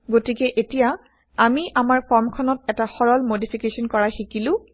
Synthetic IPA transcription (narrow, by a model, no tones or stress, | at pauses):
ɡotikɛʔetija | amiʔamaɹkɔɹmkʰɔnɔt̚ɛtaxɔɹɔlmodipʰikesɔnkɔɹaxikilʊ̃